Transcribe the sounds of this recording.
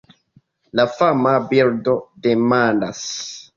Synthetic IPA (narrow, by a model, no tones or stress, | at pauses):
lafamabiɾdodemanda̰s